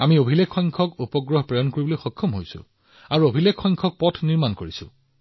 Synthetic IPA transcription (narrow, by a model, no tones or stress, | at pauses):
amiobʱilekʰːɔjŋkʰɔkupɔɡɹɔɦpɹɔjɔnkoɹibɔlojxɔkʰːɔmɦojsʊ̰̃ | aɹuobʱilekʰːɔjŋkʰɔk̚pɔtʰniɹmankoɹisʊ̰